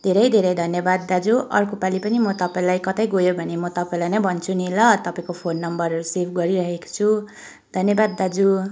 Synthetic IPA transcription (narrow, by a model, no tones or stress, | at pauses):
d̪ʱeɾʌjd̪ʱeɾʌjd̪ʱʌnjʌbad̪̚ːad͡zuʔʌrkopalipʌnimʌt̪ʌpaĩlajkʌt̪ʌjɡojobʱʌnemʌt̪ʌpaĩlajnʌjbʱʌnt͡sʰunilʌt̪ʌpaĩkopʰonːʌmbʌrusebʰɡʌɾiɾʌɦeko̥t͡sʰu | d̪ʱʌnjʌbad̪ːad͡zu